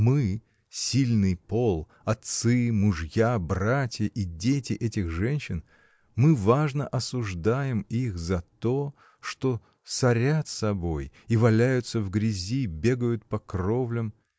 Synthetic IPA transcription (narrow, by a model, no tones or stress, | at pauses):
mɨ | sʲilʲnɨjpo̞lˠ | ɐt̪sɨmʊʐjabratʲjəʔidʲetʲɪʔɛtʲɪxʐɛnʲɕɪn | mɨvaʐnəʔɐsʊʐd̪ajɪmixzɐt̪o̞ | ʂt̪o̞ | sɐɾʲat̪sɐbo̞j | ivɐlʲæjʊt̪səvɡɾʲɪzʲibʲe̞ɡəjʊt̪̚pɐkrovlʲəm